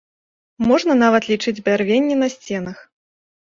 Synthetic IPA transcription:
mɔʐnɐnavɐt̪lʲit͡ʂɨd͡zʲbʲarvʲenʲːɛnɐsʲt͡sʲɛnɐx

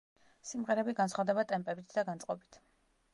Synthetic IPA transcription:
simʁɛɾɛbiɡansχwavd̪ɛbat̪ʼɛmpʼɛbit̪ʰd̪aɡant̪sʼqʼɔbit̪ʰ

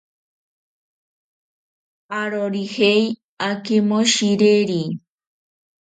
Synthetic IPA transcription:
aɾoɾihej | akemoʃiɾeɾi

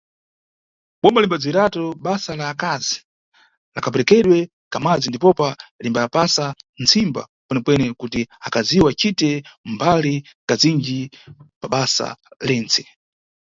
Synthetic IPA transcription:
ɓɔmbalimbad͡ziiɾatɔɓasalaːkazi | lakap̬ɛɾɛkɛɗwɛ | kamad͡zindipɔpalimbapasant͡simba̰ | kwɛnɛpwɛnɛkutiakaziwat͡ʃitɛmbalikazind͡ʒipaɓasa̰lɛːnt͡sɛ̥

